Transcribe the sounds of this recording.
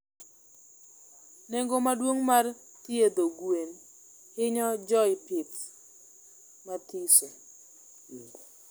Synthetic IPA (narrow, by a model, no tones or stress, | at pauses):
nɛŋɡomadwoŋmart̪jed̪oɡwen | hɪɲɔd͡ʒɔɪpɪt | mat̪iso